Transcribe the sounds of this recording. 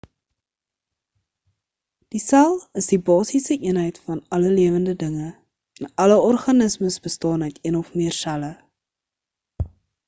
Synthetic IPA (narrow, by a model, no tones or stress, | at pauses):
d̥isælˠəsdibɑːsisəʔiənɦəjtfɐnɐləliəvəndədəŋə | ənɐləɔrχɐnəsməsbəstɑːnɦəjtiənɔfmiərsælə